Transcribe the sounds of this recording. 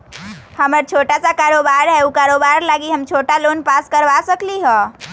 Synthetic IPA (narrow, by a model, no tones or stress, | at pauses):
həməɾt͡ʃʰoʈasakaɾobaɾɦɛukaɾobaɾlaɡiɦəmt͡ʃʰoʈalonpaskəɾʋasəkliɦɔ̃